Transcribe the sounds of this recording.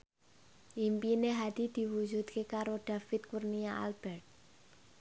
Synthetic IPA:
ʔimpineɦad̪̥id̪̥i̤wu̥d͡ʒṳd̪̚kekaɾod̪̥a̤fɪt̪̚kurniaa̰lb̥ɛrt̪̚

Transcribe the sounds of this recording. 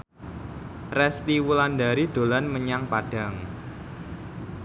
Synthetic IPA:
rɛst̪iwulandaɾid̪̥o̤lanməɲaŋpaɖ̥a̤ŋ

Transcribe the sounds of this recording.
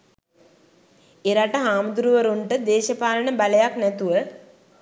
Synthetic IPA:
eɾaʈəɦaːmud̪ɾuʋəɾuɳʈəd̪eːʃəpaːlənəbaləjaknæt̪uʋə

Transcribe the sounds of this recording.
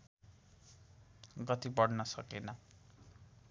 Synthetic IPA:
ɡʌt̪ibʌɽnʌsʌkenʌ

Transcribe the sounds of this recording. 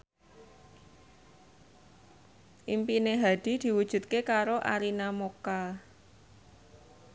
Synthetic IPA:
ʔimpineɦad̪̥i̤d̪̥i̤wud̥ʒ̥ṳt̪̚kekaɾoʔa̰ɾinamoka

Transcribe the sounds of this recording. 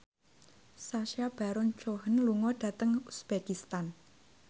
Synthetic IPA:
saʃab̥a̤ɾɔnt͡ʃoɦənluŋɔɖ̥ä̤t̪əŋusb̥ekist̪an

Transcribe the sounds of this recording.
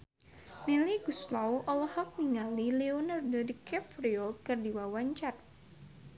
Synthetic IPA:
miliɡuslawʔɔlhɔk̚niŋalileɔnardɔdikʰɛpɾiokɨrdiwawaɲt͡ʃat̪̚

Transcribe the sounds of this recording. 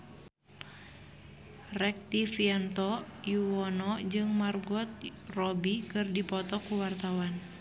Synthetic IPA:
rɛk̚t̪ifiɛnt̪ɔjuwɔnɔd͡ʒɨŋmarɡɔt̪̚rɔbikɨrdipɔt̪ɔkuwart̪awan

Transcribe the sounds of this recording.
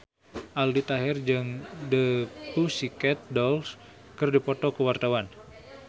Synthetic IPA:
ʔaldit̪aɦɛrd͡ʒɨŋdəpusikɛt̪̚dɔls | kɨrdipɔt̪ɔkəwart̪awan

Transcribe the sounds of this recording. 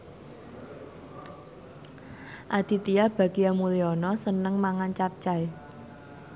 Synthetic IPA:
ʔad̪̥i̤t̪iab̥a̤ɡiamuliɔnɔsənəŋmaŋant͡ʃap̚t͡ʃae

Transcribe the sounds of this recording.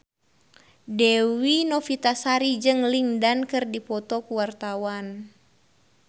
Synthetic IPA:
dɛwinɔfit̪asaɾid͡ʒɨŋlindankɨrdipɔt̪ɔkuwart̪awan

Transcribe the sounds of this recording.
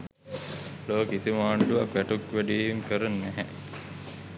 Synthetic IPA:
loːkit̪imaːɳɖuʋakʋæʈukʋæɖiːimkəɾənːæɦɛ

